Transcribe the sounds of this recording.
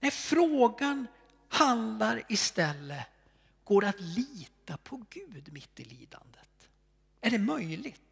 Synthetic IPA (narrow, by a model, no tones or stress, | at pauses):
nɛfɾoːɡan | hand̪laɾɪst̪ɛlːə | ɡ̥oːɾat̪liːt̪apʰɔɡʉ̟ːd̪mɪt̪ːɪlḭːd̪a̰nd̪ət̪ | æɖɛmœjlɪɡt̪